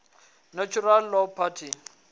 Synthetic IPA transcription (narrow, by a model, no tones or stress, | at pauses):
nat͡ʃʰuralːɔpʰatʰi